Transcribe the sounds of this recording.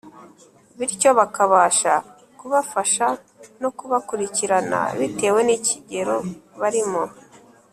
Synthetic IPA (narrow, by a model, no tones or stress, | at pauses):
βiɾco̞βakaβaːʃa | kuβafaʃa | no̞kuβakuɾiciɾana̰βite̞ːwe̞niciɟe̞ɾo̞βaɾimo